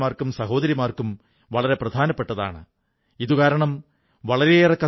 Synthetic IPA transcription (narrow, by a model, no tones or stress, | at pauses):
maːrkumsɐɦo̞ːðɐɾjimaːrkum | ʋɐɭɐɾe̞prɐd̪ʱaːnɐpːe̞ʈːɐða̰ːɳɨ | iðukaːɾɐɳɐm | ʋɐɭɐɾeirɐkːɐ